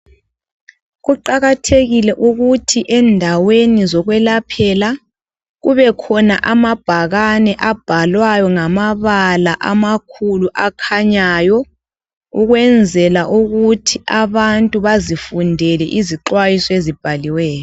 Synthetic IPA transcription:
ɣuǃaɣatʰeɣilɛʔuɣutʰiʔɛndʱawenizɔɣwɛlapʰɛla | ɣuβɛkʰɔnaʔamab̥ʱaɣanɛʔab̥ʱalwajɔŋamaβalaʔamakʰuluʔakʰaɲaːjɔ | uɣwɛnd͡zʱɛlaʔuɣutʰiʔaβantʼuβazifundʱɛlɛʔiziǃwajisɔezib̥ʱaliwɛːjɔ

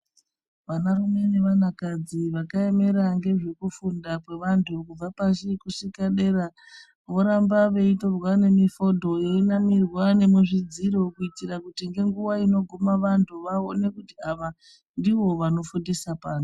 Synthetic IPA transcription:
ʋanarume̞ne̞ʋanakad͡ziʋakaeme̞ɾaŋɡe̞ʐe̞kufundakwe̞ʋantʰukub͡vapaʃikusikaɗe̞ɾa | ʋo̞ɾambaʋeito̞rwane̞mifo̞dʱo̞jeinamirwane̞muʐid͡ziɾo̞kuitirakutiŋɡe̞ŋɡuʋaino̞ɡʱomaʋantʰuʋaone̞kutiaʋa | ndiʋo̞ʋano̞fundisapaːno

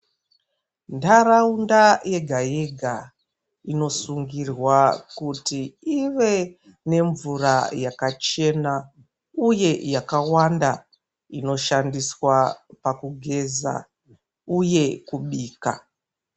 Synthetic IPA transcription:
ndaɾaundaje̞ɡʱaje̞ɡʱa | ino̞suŋɡirwakutiiʋe̞ | ne̞ɱvurajakat͡ʃe̞na | uje̞jakawanda | ino̞ʃandiswapakuɡʱe̞za̰ | uje̞kuɓiːka̰

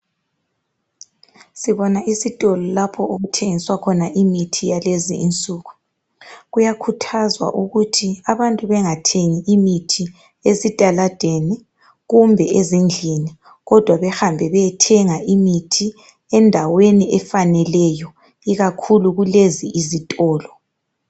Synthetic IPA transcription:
siβɔnaʔisitʼɔlɔlapʰɔoɣutʰeŋiswakʰɔnaʔimitʰijalezḭʔḭnt͡sʼuːɣu | ɣujakʰutʰazwa̰ʔuɣutʰiaβantʼuβɛŋatʰeŋiʔimitʰi | esitʼalad̥ʱeni | ɣumbʱɛʔezind͡ɮʱini | ɣɔd̥ʱwaβɛxambʱɛβɛjɛtʰɛŋaʔimitʰi | ɛndʱaweniʔɛfanɛlɛjɔ | iɣakʰuluɣuleziʔizitʼɔːlɔ

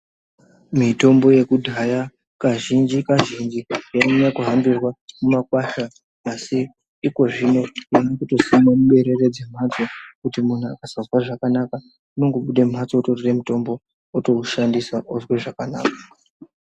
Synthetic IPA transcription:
mito̞mbo̞je̞kudʱaja | kaʒind͡ʒikaʒind͡ʒiamuɲakuɦambirwamumakwaʃaː | si | iko̞ʐino̞jenokuto̞simamuɓe̞ɾe̞re̞d͡zem̤at͡so̞kutimun̤ua̰kazazwaʐakanaka | uno̞ŋɡo̞ɓuɗe̞m̤at͡sototoremuto̞mbo̞ː | to̞uʃandisaʔozweʐakana̰ːka

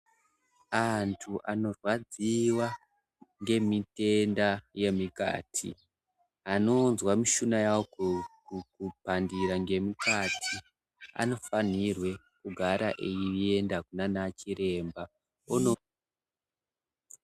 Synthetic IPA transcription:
antʰuʔano̞rwad͡ziwa | ŋɡe̞mite̞ndaje̞mika̰ːtʰḭ | ano̞nzwamiʃunajawo | kupandiɾaŋɡe̞mikatʰi | a̰no̞fanirwe̞ | kuɡʱaɾaʔejiie̞ndakunanat͡ʃiɾe̞mba | ono

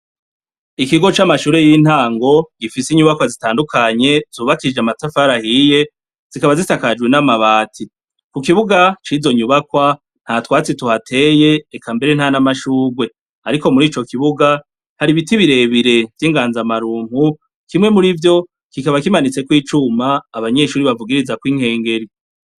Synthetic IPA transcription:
ikiɡo̞t͡ʃamaʃuːɾe̞jiːn̥haːŋɡo̞ɡ̥ifisiɲuβakwazitaːndukʰaɲe̞z̥uːβakid͡ʒamatafaɾahije̞ | z̥ikaβazitakad͡ʒɡwe̞namaβaːtʰi | kukiβuɡat͡ʃizo̞ɲuβakwa | n̥hatwaːt͡situhatʰe̞je̞ːkambe̞ɾen̥hanamaʃuːɡwe̞ | aɾiko̞muɾiːt͡ʃo̞kiβuɡa | haɾiβitiβiɾe̞βiɾe̞vjiːŋɡaːnzamaɾuːŋ̥u | kimŋe̞muɾivjo̞ | kikaβakimanit͡se̞kwiːt͡ʃumaːβaɲe̞ːʃuːɾiβavuɡiɾizakwiŋhe̞ːŋɡe̞ɾi

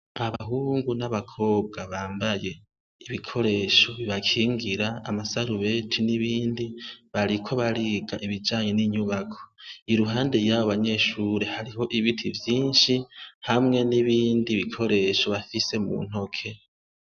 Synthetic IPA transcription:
aβaɦuːŋɡunaβakʰo̞ːbɡaβaːmbaje̞ | iβikʰo̞ɾe̞ːʃo̞βiβakʰiːŋɡiɾaa̰masaɾuβe̞tʰiniβiːndiβaɾikʰo̞βaɾiːɡaʔiβid͡ʒaːɲe̞niɲuβakʰo̞̥iɾuɦaːnde̞jaβoβaɲe̞ʃuɾe̞haɾiho̞ʔiβitʰivjiːnʃihamŋe̞niβiːndiβikʰo̞ɾe̞ːʃo̞βafise̞mṵn̥ho̞kʰe̞

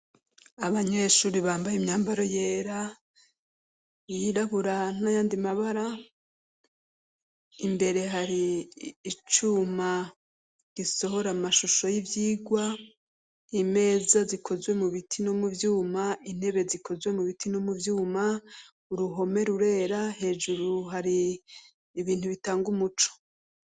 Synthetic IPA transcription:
aβaɲeʃuːɾiβaːmbajimɲaːmbaɾo̞jeːɾa | jiɾaβuɾanajaːndimaβaɾa | imbe̞ɾe̞ɦaɾiː | t͡ʃuma | ɡ̥iso̞ɦo̞ɾamaʃuʃo̞jivjiːɡwa | ime̞ːzazikʰo̞zwe̞muβitʰinomuvjuːmain̥he̞βe̞zikʰo̞zwe̞muβitinomuvjuːma | uɾuɦo̞me̞ɾuɾe̞ːɾahe̞ːʒuɾuɦaɾiː | βiːn̥huβitaːŋɡumut͡ʃo̥

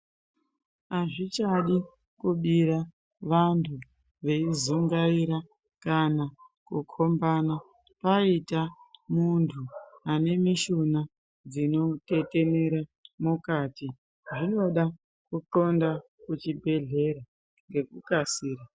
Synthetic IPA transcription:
aʐit͡ʃaɗi | kuɓiɾa | ʋantʰu | ʋe̞izuŋɡaiɾa | kanakukʰo̞mbana | paitamuntʰuane̞miʃona | d͡zino̞te̞te̞ne̞ɾamukati | ʐino̞ɗa | kuǃo̞nda | kut͡ʃibʱe̞ɮe̞ɾa | ŋɡe̞kukasiːɾa

